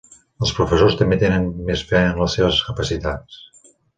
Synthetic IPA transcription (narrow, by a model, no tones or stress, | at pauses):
əlˠspɾufəsost̪əmbet̪enənmesfɛənləseβəskəpəsit̪at͡s